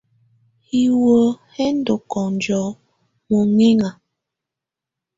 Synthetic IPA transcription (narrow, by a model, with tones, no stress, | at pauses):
hi˦wo˦hɛ˦n˦do˨kɔ˨n˨d͡ʒɔ˨˦ | mo˨ŋe˦ŋa˨